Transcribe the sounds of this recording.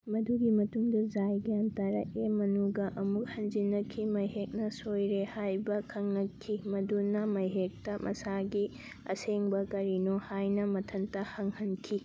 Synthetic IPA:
mɐduɡimɐtuŋdɐd͡ʒajɡijantaɾɐ̰emɐnuɡɐʔɐmuk̚hɐnd͡ʒinɐkʰimɐjɦek̚nɐsojɾehajbɐkʰɐŋnɐkʰːimɐdunɐmɐjɦek̚tɐmʔɐ̰saɡi | ɐ̰seŋbɐkɐɾinohajnɐmɐtʰɐntɐhɐŋhɐnkʰi

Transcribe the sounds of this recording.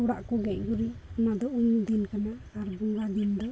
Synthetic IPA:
uɽa̰ʔkɔɡɛɲɡuɾiunad̪ɔumud̪inkanaːɾbuŋɡad̪ind̪ɔ

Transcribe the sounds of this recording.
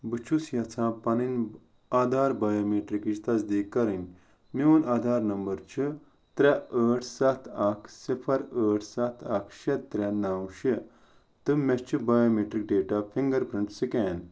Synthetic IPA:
bɨt͡ʃʰusjɐt͡sʰãːpɐnin | ad̪ʱaːɾbajoːmeːʈɾikit͡ʃt̪ɐsd̪iːkːɐɾin | miunaːd̪ʱaːɾnɐmbɐɾt͡ʃʰi | t̪ɾɛəːʈʰsɐt̪ʰakʰsipʰɐɾəːʈʰsɐt̪ʰakʰʃet̪ːɾɛnɐwʃi | t̪ɨmest͡ʃʰibajoːmeʈɾik̚ɖeːʈapʰiŋɡɐɾpɾɐɳʈsikɛːn

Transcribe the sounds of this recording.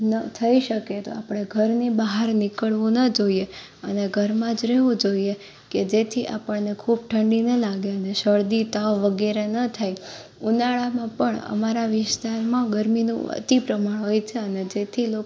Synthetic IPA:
nət̪ʰəiʃəket̪o̰apɳ̃eɡʱəɾnibaɦaɾnɪkəɭʋũnəd͡ʒoie | əneɡʱəɾmãd͡ʒɾeʋũd͡ʒoie | ked͡ʒet̪ʰiʔa̰pəɳnekʰub̚ʈʰəɳɖinəlaɡeəneʃəɭd̪it̪aʋʋəɡɛɾenət̪ʰaj | unaɭamãpəɳə̰maɾaʋɪst̪aɾmãɡəɾminṵ̃ə̰t̪ipɾəmaɳɦojt͡ʃʰeəned͡ʒet̪ʰilo

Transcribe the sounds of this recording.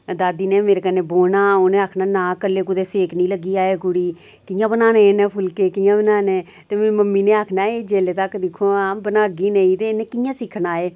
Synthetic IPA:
d̪aːd̪iːneːmeːɾeːkənːeːboːnaːoːnẽːaːkʰnaːnaːkəlːeːkʊd̪eːseːknĩːləɡːiːaːeːkʊɽiː | kɪjãːbənaːnẽnɛ̃ːpʰʊlkeːkɪjãːbənaːnẽː | t̪eːmɛ̃ːməmːiːnẽːaːkʰnaːeːd͡ʒeːleːt̪əkd̪ɪkʰːoːaːbənaːɡiːneĩːt̪eːnẽːkɪjãːsɪkʰːnaːeː

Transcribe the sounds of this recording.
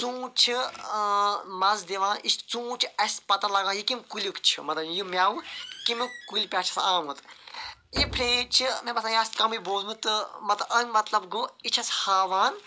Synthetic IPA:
t͡sũːt͡ʃʰi | mɐzd̪iʋãːnist͡sũːt͡ʃʰiɐsʲpɐt̪ɐlɐɡãːjikimʲkulʲukt͡ʃʰḭmɐt̪lɐjjimʲjaːwukimikulʲpʲaːt͡ʃʰɐ̥sãːmut̪jipʰɾeːt͡ʃʰimɐbɐsʰãjaːst̪kɐmɨboːzmɨt̪ɨmɐt̪ʔɐnʲmɐt̪lɐbɡoit͡ʃʰɐshaːʋaːn

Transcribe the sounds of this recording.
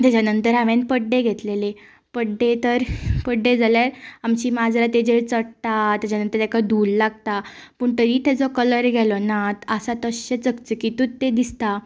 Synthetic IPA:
t̪jat͡ɕanənt̪əɾaʋẽnpəɖːeɡʱet̪lele | pəɖːet̪əɾpəɖːed͡zaljaɾamt͡ɕiːmad͡zɾat̪ed͡ʑeɭt͡səɽt̪at̪jat͡ɕanənt̪əɾt̪akad̪ʱulːaɡ̚t̪apəːɳt̪əɾiːt̪ʰed͡zɔkələɾɡʱɛlɔnat̪əsat̪əɕet͡səkt͡səkit̪ut̪ːed̪ist̪a

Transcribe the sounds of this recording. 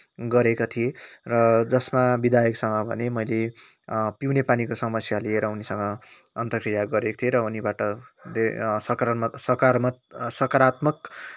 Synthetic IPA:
ɡʌɾekot̪ʰijerʌd͡zʌsmabid̪ʱajʌksʌŋɡʌbʱʌ̰nemʌjle | piwnepanikosʌmʌsjalieɾʌunisʌŋɡʌ | ʌnt̪ʌkrijaɡʌɾekot̪ʰieɾʌunibaʈʌd̪esʌkɾsʌkamsʌkʌɾat̪mʌk

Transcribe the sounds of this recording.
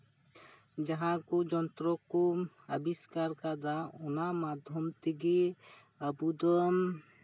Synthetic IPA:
d͡ʒɐɦãkod͡ʒɔnt̪ɾɔko | ɐ̰biskaɾkad̪aʊnamad̪ʱjɔmt̪iɡi | ɐbud̪ɔm

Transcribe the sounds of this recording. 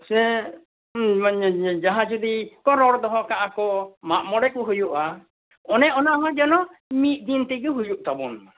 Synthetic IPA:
sɛ | d͡ʒaɦãd͡ʒud̪ikɔɾɔɾd̪ɔɦɔkaʔakɔmaʔmɔɽɛk̚uɦujuʔa | ɔnɛʔɔnaʔɦɔd͡ʒɔnɔmit̪̚ˀd̪int̪ɛɡɛɦujuʔ̚t̪abɔna

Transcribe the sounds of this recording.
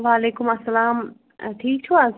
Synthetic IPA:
ʋaːleːkʊmɐsːɐlaːm | ʈʰiːk̚t̪ʰuaːs

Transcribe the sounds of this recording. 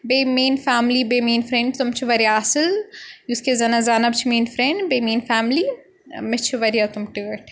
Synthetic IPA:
beːmeːnfaːmlibeːmeːnfɾẽɳɖt̪ʊmt͡ʃʰiʋɐɾijaɐsɪljuskezɐnazaːnɐbt͡ʃʰimeːnfɾẽɳɖbeːmeːnfaːmli | mɪt͡ʃʰiʋɐɾijat̪ʊmʈiɡɐʈʰ

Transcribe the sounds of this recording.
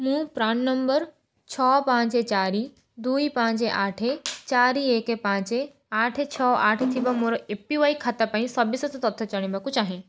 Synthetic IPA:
mũːpɾaːɳnəmbəɾ | t͡ɕʰɔːpãːt͡ʃet͡ʃaːɾi | d̪uːipãːt͡ʃeʔaːʈʰet͡ʃaːɾieːkepãːt͡ʃe | aːʈʰet͡ɕʰɔːaːʈʰt̪ʰibɐmoɾɔepiʋaikʰat̪ɐpaĩsɐbisɐt̪ʰt̪ɐt̪ʰːɔt͡ʃɐɽ̃ĩbɐkut͡ʃaːɦẽ

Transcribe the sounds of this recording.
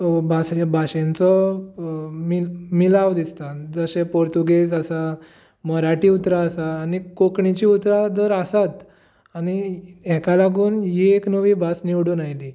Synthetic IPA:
bʱasbʱaɕãnt͡sɔ | mimilaʋd̪ist̪ad͡zəɕepoɾt̪uɡesasa | məɾaʈiut̪ɾaːsaːnikokɳit͡ɕiut̪ɾad̪əɾasat̪ | añiɛkalaɡuːnɦieknəʋiːbʱasniʋɽunajli

